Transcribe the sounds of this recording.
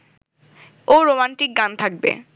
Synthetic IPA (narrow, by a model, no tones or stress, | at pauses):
oɾomanʈik̚ɡant̪ʰak̚bḛ